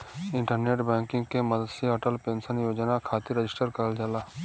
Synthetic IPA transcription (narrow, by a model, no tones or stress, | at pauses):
ɪ̃ɳʈəɾneːʈbɛ̃ːŋkɪ̃ŋɡkemɐd̪əd̪seɔʈəlpẽːnsənjoːd͡ʒnakʰaːt̪iɾəd͡ʒɪsʈəɾkəɾəld͡ʒəlaː